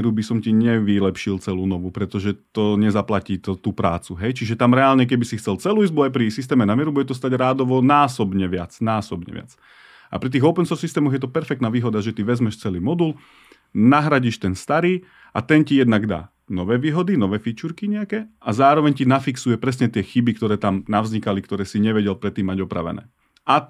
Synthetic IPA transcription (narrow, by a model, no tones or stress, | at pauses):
ɛɾubisɔmciɲɛʋilɛpʃilt͡sɛluːnɔʋupɾɛt̪ɔʒɛt̪ɔɲɛzaplaciːt̪ɔt̪uːpɾa̰ːt͡suɦɛjt͡ʃiʒɛt̪amɾɛaːlɲɛk̬ɛbisixtt͡sɛlt͡sɛluːizbuajpɾisis̬t̪ɛːmɛnamɪɛɾubuɟɛt̪ɔs̬t̪aɟɾaːd̪ɔʋɔnaːsɔbɲɛʋɪat͡snaːsɔbɲɛ̰ʋɪa̰t͡s | ʔa̰pɾit̪̬iːɣɔʊpɛnsɔɾsːist̪ɛːmɔɣjɛt̪̬ɔpɛɾfɛk̚t̪naːʋiːɦɔd̪aʒɛt̪iʋɛzmɛʃt͡sɛliːmɔd̪ul | naɦɾaɟiːʃt̪ɛnst̪aɾiː | at̪ɛncijɛd̪naɡd̪a̰ː | nɔʋɛːʋiːɦɔd̪inɔʋɛːfit͡ʃuɾkiɲɛakɛazaːɾɔʋɛɲcinafiksujɛpɾɛsɲɛt̪ɪɛxibikt̪ɔɾɛːt̪amnaʋzɲikalikt̪ɔɾɛːsiɲɛʋɛɟɛlpɾɛt̪ːiːmːaɟɔpɾa̰ʋɛ̰nɛ̰ː | ʔa